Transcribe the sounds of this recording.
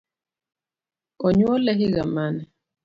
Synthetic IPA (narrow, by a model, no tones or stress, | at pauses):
ɔɲwɔlɛɦiɣamanɛ